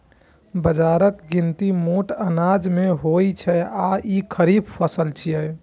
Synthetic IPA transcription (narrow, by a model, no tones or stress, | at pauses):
bəd͡ʒaɾəkɡint̪imoʈənad͡ʒmeɦojt͡ʃʰɛaikʰəɾibpʰəsəlt͡ʃʰijɛ